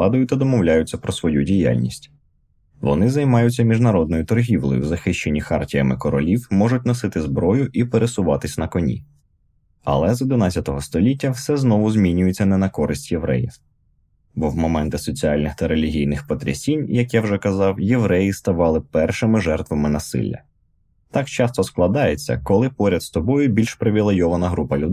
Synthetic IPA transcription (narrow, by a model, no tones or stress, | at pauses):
ɑd̪ʊjʊt̪ʲɐd̪ɔmɔwlʲajʊt͡sʲːɐpɾɔsʋɔjudʲija̰lʲnʲisʲtʲ | ʋɔ̰nɪzɐjmɑjʊt͡sʲːɐmʲiʒnɐɾɔd̪nɔjʊt̪ɔrɦʲiwlˠɔ̰jʊ̰wzɐxɪʃt͡ʃe̞nʲːixɑrtʲijɐmɪkɔɾɔlʲiwmɔʐʊtʲnɔsɪt̪ɪzbɾɔjʊʔipeɾʔesʊʋɑt̪ɪsʲnɐkɔnʲḭ | ɐ̰lˠɛzɪd̪ɪnɑt͡sʲːɐt̪ɔɦɔst̪ɔlʲitʲːɐwsɛznɔʋʊzʲmʲinʲʊjʊt͡sʲːɐnɛnɐkɔɾɪsʲtʲjeʋɾɛ̰jḭ | bɔwmɔmɛnt̪ɪsɔt͡sʲiɑlʲnɪxt̪ɐɾelʲiɦʲijnɪxpɔt̪ɾʲɐ̰sʲinʲjɐkjawʒɛkɐzɑwjewɾɛjist̪ɐʋɑlˠɪpɛrʃɪmɪʒɛrt̪ʋɐmɪnɐsɪ̰lʲːɐ̰ | t̪ɑkt͡ʃɑst̪ɔsklˠɐd̪ɑjet͡sʲːɐ̰kɔlˠɪpɔɾʲɐd̪st̪ɔbɔjʊbʲilʲʃpɾɪʋʲilˠejɔʋɐnɐɦɾupɐlʲʊd̪